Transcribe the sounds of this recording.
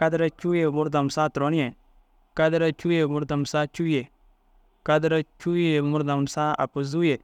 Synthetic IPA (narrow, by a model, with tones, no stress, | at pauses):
ka˦dɾa˦t͡ʃu˦je˨mu˦ɾda˨m˨sa˦tɾo˨˦n˦je˨ | ka˦dɾa˦t͡ʃu˦je˨mu˦ɾda˨m˨sa˦t͡ʃu˦je˨ | ka˦dɾa˦t͡ʃu˦je˨mu˦ɾda˨msa˦a̰˨pu˨zu˦je˨